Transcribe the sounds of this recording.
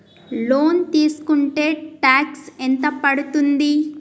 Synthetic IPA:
loːnt̪iːsu̥kuɳʈe̞ːʈaːksɛnt̪ɐpɐɽut̪und̪i

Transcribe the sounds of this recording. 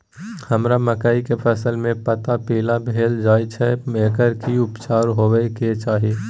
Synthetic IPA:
həmɾaməkaikepʰəsəlmẽpət̪apeːlabʱeːld͡ʒaːjt͡ʃʰɛmeːkəɾkiʊpt͡ʃaːɾɦoːʋɛket͡ʃaːɦie

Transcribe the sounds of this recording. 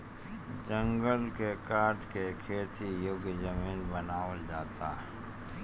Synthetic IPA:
d͡ʒə̃ŋɡəlkekaːɾʈkekʰeːt̪ijoɡd͡ʒəmiːnbɐnaːəld͡ʒaːt̪a̰ːɦ

